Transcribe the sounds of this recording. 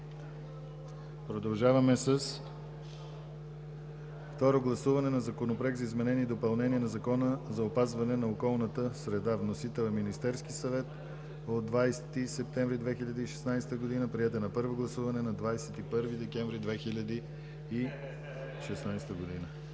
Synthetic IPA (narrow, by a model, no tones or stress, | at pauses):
pɾod̪ɐlˠʒavɐmɛsəs | ft̪ɔɾoɡlˠɐsuvɐnɛnɐzɐkonopɾɛɡzɐizmɛnɛniːd̪opɐlˠnɛniɛnɐzɐkɔnəzɐopazvɐnɛnɐokɔlˠnət̪əsɾɛd̪avnosit̪ɛlˠɛminist̪ɛɾskisɐvɛt̪ | od̪ːvajsɛt̪isɛp̚t̪ɛ̃ɱvɾid̪vɛxiʎʲəd̪iiʃɛ̥snajsɛ̥t̪əɡod̪inəpɾiɛt̪ɛnɐpɤɾvoɡlˠɐsuvɐnɛnɐd̪vajsɛt̪ipɤɾvid̪ɛkʲɛɱvɾid̪vɛxilʲəd̪iː | ʃɛsnajst̪əɡod̪inə